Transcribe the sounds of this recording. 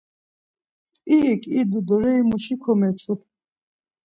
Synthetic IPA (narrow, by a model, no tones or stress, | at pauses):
iːkʼid̪ud̪ɔɾɛimuʃikʰɔmɛt͡sʰu